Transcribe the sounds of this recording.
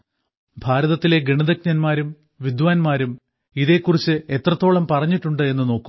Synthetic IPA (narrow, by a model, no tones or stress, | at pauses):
bʱaːɾɐðɐt̪ːile̞ɡeɳiðɐk̚nɐnmaːɾum | ʋid̪ʋaːnmaːɾum | iðe̞ːkːurit͡ɕːɨe̞t̪rɐt̪ːo̞ːɭɐmpɐrɐɲːiʈːuɳɖɨe̞nːɨno̞ːkːu